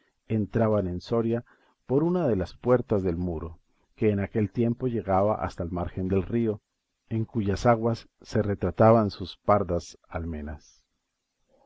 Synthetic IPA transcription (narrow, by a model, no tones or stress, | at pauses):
ent̪ɾaβane̞nso̞ɾja | poɾunaðe̞laspwe̞ɾt̪azðe̞lmuɾo̞̰ | ke̞ːnake̞lt̪je̞mpo̞ʝe̞ɣaβa̰ʔa̰st̪aelmaɾxe̞nd̪e̞lrio̞ | e̞ŋkuʝasaɣwasːe̞re̞t̪ɾat̪aβansuspaɾðasalme̞nas